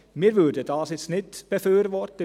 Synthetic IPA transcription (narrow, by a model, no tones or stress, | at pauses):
meːɾʋʉd̪ət̪ʰɑːsɪt̪snɪt̪ːb̥əføːɾʋɔɾt̪̚ə